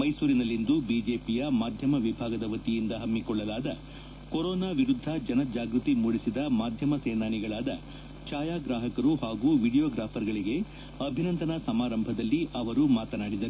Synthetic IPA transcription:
mɐjsuːɾinɐlːind̪ubid͡ʒe̞ːpijɐmaːd̪ʱjɐmɐʋibʱaːɡɐd̪ɐʋɐt̪ijind̪ɐɦɐmːikɔɭːɐlaːd̪ɐ | koɾɔːnaːʋiɾud̪ʱːɐd͡ʒɐnɐd͡ʒaːɡɾut̪imuɽisid̪ɐmaːd̪ʱjɐmɐseːnaːniɡɐɭaːd̪ɐ | t͡ʃaːjaːɡɾaːɦɐkɐɾuɦaːɡuːʋiɽijoːɡɾaːpʰɐɾɡɐɭiɡe̞ | ɐbʱinɐnt̪ɐnɐsɐmaːɾɐmbʱɐd̪ɐlːiʔɐʋɐɾumaːt̪ɐnaːɽid̪ɐɾu

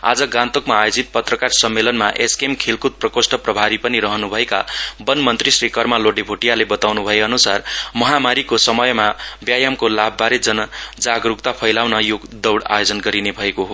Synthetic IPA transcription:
a̰d͡zʌɡãnt̪okmaːjod͡zit̪̚pʌt̪rʌkarsʌmːelʌnmaʔeskemkʰelkut̪̚prʌkosʈʌprʌbʱaɾipʌniɾʌɦʌnubʱʌekabʌnmʌnt̪risrikʌrmaloɖibʱoʈijalebʌt̪awnubʱʌeʌnusarmʌɦamaɾikosʌmʌjmabjajamkolabːaɾed͡zʌnʌd͡zaɡrukt̪apʰʌjlawnʌjoɡd̪ʌwɽa̰jod͡zʌnɡʌɾinebʱʌekoɦo

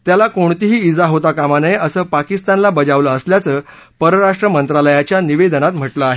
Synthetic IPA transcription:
t̪jalakoɳt̪iɦiːd͡zaɦot̪akamanəjəsəːpakist̪anlabəd͡zaʋləːsljat͡səː | pəɾəɾaʂʈɾəmənt̪ɾaləjat͡ɕjaniʋed̪nat̪m̤əʈləaɦe

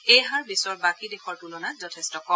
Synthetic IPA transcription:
ejɦaɹbisɔɹbakidexɔɹtulɔnazɔtʰɛstɔkɔ

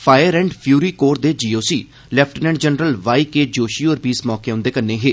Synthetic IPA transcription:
pʰaːjəɾɛ̃ːɳɖpʰjuːɾiːkoːɾd̪eːd͡ʒiːoːsiː | lɛːpʰʈənɛ̃ɳɖd͡ʒənɾəlʋaːiːkeːd͡ʒoːʃiːoːɾbiːsmɔːkeʊ̃nd̪eːkənːeːɦeː

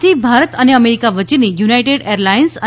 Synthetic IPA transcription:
t̪ʰibʱaɾət̪əneəmeɾikaʋət͡ʃinijunajʈeɽeɾlainsə

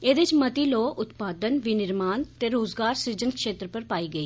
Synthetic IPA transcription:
eːd̪eɪt͡ʃmət̪iːloːʊt̪paːd̪ənʋinɪɾmaːnt̪eːɾoːzɡaːɾsiɾd͡ʒənkʃeːt̪ɾəpəɾpaːiːɡəiː

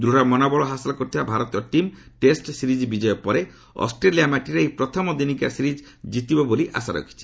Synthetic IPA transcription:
d̪ɾuɾamɔnabɔɭɔɦasalɔkɔɾt̪ʰibabʱaɾɔt̪iɔʈimʈesʈsiɾid͡ʒbid͡ʒɔjɔpɔɾe | ɔ̰sʈɾeliamaʈiɾeejpɾɔt̪ʰɔmɔd̪inika̰siɾid͡ʒ | d͡ʒit̪ibɔboliʔa̰saɾɔ̰kʰi̥t͡ʃʰi̥

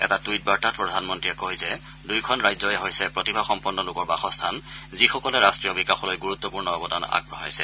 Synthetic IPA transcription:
ɛ̰tatujt̚baɹtat̚pɹɔdʱanmɔntɹijɛkɔjzɛ | dujkʰɔnɹajzɔjɛɦojsɛpɹɔtibʱaxɔmpɔnːɔlʊkɔɹbaxɔstʰanzixɔkɔlɛɹastɹijɔbikaxɔlojɡuɹut̪ːɔpuɹnɔɔbɔdana̰ɡ̚bɹɔɦa̰jsɛ̰

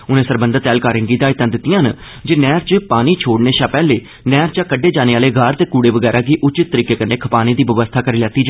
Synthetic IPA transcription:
ʊnẽːsəɾbənd̪əɾt̪ɛːlkaːɾɪ̃ŋɡiːd̪aːɪt̪ːãːd̪ɪt̪ːɪjãːn | d͡ʒeːnɛːɾt͡ʃəpaːniːt͡ʃʰoːɽneːʃãːpɛːleː | nɛːɾt͡ʃaːkəɖːeːd͡ʒaːneːaːleːɡʱaːɾt̪eːkuːɽeːʋəɡɛːɾaːɡiːʔʊt͡ʃɪt̪̚ːəɾiːkeːkəneːkʰəpaːnĩːd̪iːʋəʋəst̪ʰaːkəɾiːlɛːt̪iːd͡ʒ

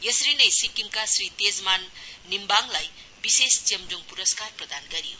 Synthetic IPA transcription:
jʌsɾinʌjsikimkasrit̪ed͡zmanːimbaŋlaj | bisest͡simd͡ʒuŋpuɾʌskarprʌd̪anɡʌɾijo̰

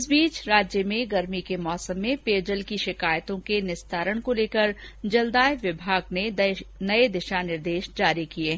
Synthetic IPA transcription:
sbiːt͡ʃɾaːd͡ʒjəmẽɡɐɾmikemɔːsəmːẽpeːd͡ʒəlkiʃɪkaːjt̪õkenɪst̪aːɾəɽ̃koleːkəɾ | d͡ʒɐld̪aːjʋɪbʱaːɡnenɐed̪ɪʃanɪɾd̪eːʃd͡ʒaːɾikieː

